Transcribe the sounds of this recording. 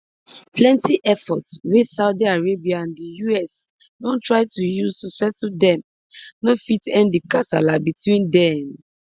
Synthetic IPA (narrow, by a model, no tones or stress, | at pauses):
plɛ̃ntiʔɛfɔtswesaʊdiaɹebiaãndijuɛs | dõntɹaɪtujuztusɛtdɛ̃m | nofitɛ̃ndikasa̰labitwĩndɛm